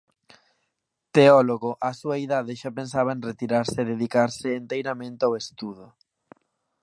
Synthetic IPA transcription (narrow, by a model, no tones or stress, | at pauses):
t̪eɔloɣoʔasuɐiðaðɪʃapensaβ̞ɐẽnret̪iɾaɾsɪːðeðikaɾsɪːnt̪ejɾamẽnt̪ɪawest̪uðʊ